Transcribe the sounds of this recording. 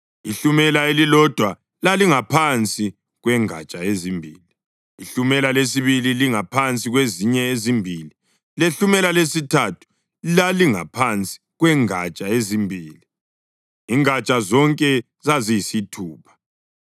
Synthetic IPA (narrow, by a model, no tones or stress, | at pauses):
iɬumɛlaelilɔd̥ʱwa | laliŋapʰant͡sʼi | ɣwɛŋa̰t͡ʃʼaezimbʱiːli | iɬumɛlalesiβililiŋapʰant͡sʼiɣweziɲɛezimbʱili | leɬumɛlalesitʰatʰu̥ | laliŋa̰pʰant͡sʼi̥ɣwɛŋat͡ʃʼaezimbʱiːli | iŋat͡ʃʼazɔŋkʼɛ | zazisitʰuːpʰḁ